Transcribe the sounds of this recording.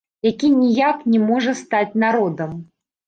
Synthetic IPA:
jakʲinʲijaknʲɛmɔʐɐst̪at͡sʲnaɾɔd̪ɐm

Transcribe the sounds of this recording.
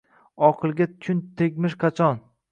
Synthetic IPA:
ɒqʰɨlˠɡʲatt͡ʃʰʊnt̪ʰeɡʲmɪʃqʰɑt͡ʃʰɒn

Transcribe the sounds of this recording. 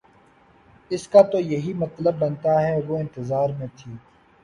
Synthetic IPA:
ɪskat̪ojɐɦiːmɐt̪ləbːɐnt̪aɦɛʋoːɪ̃nt̪ɪzaːɾmẽt̪ʰiː

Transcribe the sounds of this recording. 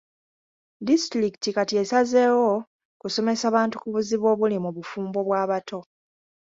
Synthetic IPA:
distɾikitikatie̞saze̞ːwo | kuso̞me̞saːβaːntu̥kuβuziβo̞ːβulimuβufuːmbo̞βwaːβatʰo̞

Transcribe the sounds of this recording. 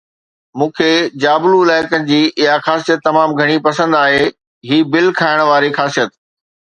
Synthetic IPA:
mũːkʰed͡ʑaːbluɪlaːɪkənɪ̆d͡ʑiːʔɪɦaxaːsijət̪ːɐmaːmɡʱɐɽ̃ipɐsə̃nd̪aːɦeː | ɦiːbɪlkʰaːɪɽ̃ʋaːɾixaːsijət̪

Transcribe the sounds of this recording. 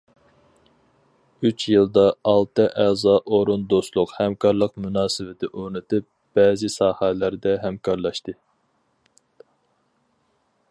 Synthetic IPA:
yt͡ʃʰjɨlˠd̪ɑɑlˠt̪ʰɨʔæzɑʔoɾund̪ost̪lˠʊqhɛmkʰɑɾlˠəqmunɑːsɨvɪt̪ʰɪʔøɾnɨt̪ʰɪp̚ | b̥ɛːzɪsɑːhælæɾd̪ɛɦɛmkʰɑɾlˠɑʃt̪ɨ

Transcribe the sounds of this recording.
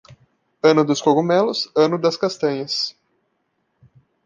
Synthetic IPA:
ɐ̃nʊd̪ʊskoɡumɛlʊsɐ̃nʊd̪ɐskast̪ɐ̃ɲɐs

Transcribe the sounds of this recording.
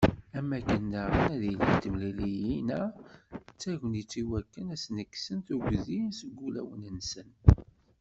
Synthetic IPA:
æmːækːənːəʁənæðilit̪ːəmlilijinæ | t͡sːæʝʷənit͡sːiwækːənæsnəkːsənt̪uɡðinsəɡːulæ̰wənənsən

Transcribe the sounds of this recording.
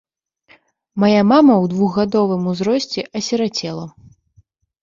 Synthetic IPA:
majamamɐwd̪vuɣɣad̪ɔvɨmuzɾɔsʲt͡sʲɛʔɐsʲɛɾat͡sʲɛlˠɐ

